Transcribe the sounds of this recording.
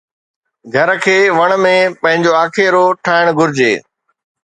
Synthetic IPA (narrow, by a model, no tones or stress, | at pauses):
ɡʱɐɾkʰeːʋɐɽ̃mẽpɐ̃ɦɪ̃ɲd͡ʑoaːkʰeɾoʈʰaːɪɽ̃ɡʱʊɾɪd͡ʑḛː